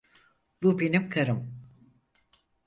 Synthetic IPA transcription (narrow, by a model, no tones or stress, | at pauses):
lubenimkʰaɾɯm